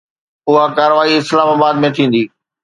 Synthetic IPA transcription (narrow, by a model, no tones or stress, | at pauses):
ʊɦakaːɾəʋaːiɪslaːmaːbaːd̪mẽt̪ʰĩːn̆d̪iː